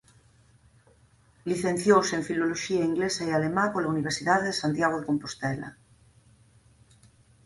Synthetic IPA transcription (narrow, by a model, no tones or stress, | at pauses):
liθẽn̟θjowseɱfiloloʃiaiŋɡlesaealemãkolauniβ̞eɾsiðaðeðesant̪jaɣoðekompost̪ɛla̰